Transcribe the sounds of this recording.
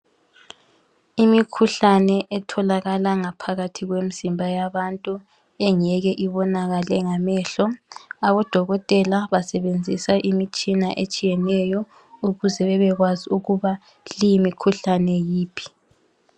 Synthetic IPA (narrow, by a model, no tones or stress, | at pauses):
imikʰuɬanɛʔɛtʰɔlaɣalaŋapʰaɣatʰiɣwem̩z̥imbʱajaβantʼu | ɛŋɛɣɛʔiβɔnaɣalɛŋamɛːɬɔaβɔd̥ʱɔɣɔtʼɛlaβasɛβend͡zʱisaʔimit͡ʃʼinaʔet͡ʃʼijɛnɛjɔ | uɣuzɛβɛβɛɣwaziuɣuβa | lijimikʰuɬanɛjiːpʰi̥